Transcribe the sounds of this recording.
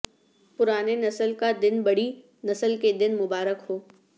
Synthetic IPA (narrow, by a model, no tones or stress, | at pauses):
pʊɾaːnenɐsəlkad̪ɪnbɐɽi | nɐsəlked̪ɪnmʊbaːɾəkɦoː